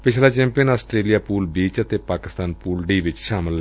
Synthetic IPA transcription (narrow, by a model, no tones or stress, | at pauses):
pɪt͡ʃʰlaːt͡ʃɛ̃ːmpijənaːsʈɾeːlijaːpuːlbiːt͡ʃət̪eːpaːkɪst̪aːnpuːlɖiːʋɪt͡ʃʃaːmɪl